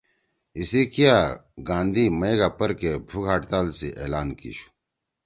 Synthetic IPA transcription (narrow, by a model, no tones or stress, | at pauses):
isikijaɡãːnd̪ʱimɐeɡapɐɾkebʱuɡʱaːʈt̪aːlsiʔḛːlaːnkḭɕu̥